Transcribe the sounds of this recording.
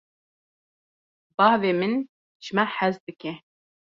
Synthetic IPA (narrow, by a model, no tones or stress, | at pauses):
bɑːhveːmɨn | ʒ̥ɨmɛħæzd̪ɨkɛ